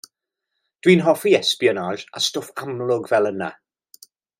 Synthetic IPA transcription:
d̥wiːnɦɔfiɛspiɔnaʒa̰stɔfamlˠʊɡvɛlˠəna

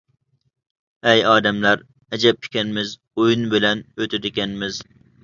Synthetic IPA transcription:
ɛjɑːd̪ɛmlæɾ | ɛd͡ʒɛp̚kʲʰi̥kʲɛnmɪz | ojunbɪlɛnøt̪ʰɪd̪ɪkʲɛnmɪz

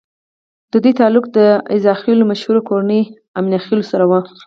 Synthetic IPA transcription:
d̪̥əd̪ujt̪ɑlʊkd̪əɪzɑxelomaʃhuɾokoɾanəj | amniaxelosaɾawə

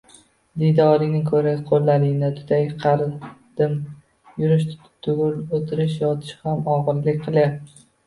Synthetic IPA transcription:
d̪ɪjd̪ɒɾɪnɪkʰɵɾaqʰolˠːalɪnɪt̪ʰʊ̥t̪ajqʰɑɾd̪̥ɪm | jʊɾɪʃ | t̪ʰʊɡʊlot̪ʰɪɾɪʃjɒt̪ʰɪ̥ʃhamɒʁɨɾlɪkʲqʰɨlˠjap̪ɪ

